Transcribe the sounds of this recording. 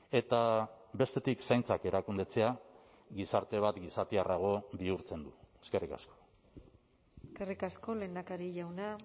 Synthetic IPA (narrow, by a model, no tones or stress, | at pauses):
e̞t̪aβe̞st̪e̞t̪iksajnt͡sake̞ɾakund̪e̞t͡se̞a | ɡisaɾt̪e̞β̞at̪ɡisat̪iaraɣ̞o̞βiuɾt͡se̞nd̪ue̥ske̞rika̰sko̞̥ | eskerikasko̞le̞ːnd̪akaɾiʝawna